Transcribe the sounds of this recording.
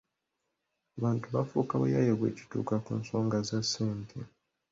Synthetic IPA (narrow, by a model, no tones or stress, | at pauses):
aβaːntuβafuːkawḛjajeβwḛːci̥tṵːkakuːnso̞ːŋɡazasiːntʰḭ